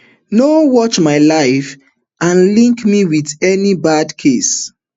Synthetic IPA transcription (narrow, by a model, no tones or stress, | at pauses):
nowɔt͡ʃmaɪlaɪf | ʔãnlĩŋkmiwiðɛnibadkʰes